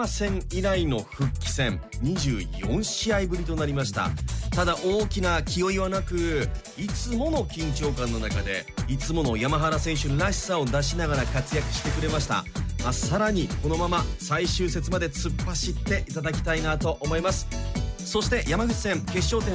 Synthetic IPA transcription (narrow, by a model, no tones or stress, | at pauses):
asẽ̞ŋiɾaino̞ɸɯ̟kʲːi̥sẽ̞ŋɲ̟iʑɨːjõ̞ɰ̃ɕiaibɯ̟ɾʲit̪o̞naɾʲimaɕi̥t̪a̰t̪ad̪aʔo̞ːkʲinakʲio̞iβanakɯ̟ | it͡sɨmo̞no̞kʲĩɲ̟t͡ɕo̞ːkãnːo̞nakad̪e̞̰it͡sɨmo̞no̞jamaɦaɾasẽ̞ɰ̃ɕɨnɾaɕi̥sao̞d̪aɕinaɡaɾakat͡sɨjakɯ̟ɕi̥t̪e̞kɯ̟ɾe̞maɕi̥t̪a̰masaɾaɲ̟iko̞no̞mamasaiɕɨːse̞t͡sɨmad̪e̞t͡sɨpːaɕit̪ːe̞ʔit̪ad̪akʲi̥t̪ainat̪o̞ʔomo̞imasɨ̥so̞ɕi̥t̪e̞jamaɡɯ̟t͡ɕi̥sẽŋke̞ɕːo̞ːt̪ẽ